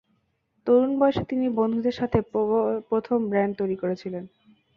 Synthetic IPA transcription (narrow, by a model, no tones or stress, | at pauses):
t̪oɾunbɔeʃet̪inibond̪ʱud̪eɾʃat̪ʰepɾot̪ʰombɾɛɳɖ̚t̪ojɾikoɾet͡ɕʰilen